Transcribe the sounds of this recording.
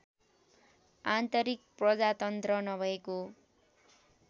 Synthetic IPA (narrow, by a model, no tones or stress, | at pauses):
ant̪ʌɾik̚prʌd͡zat̪ʌnt̪rʌnʌbʱʌeko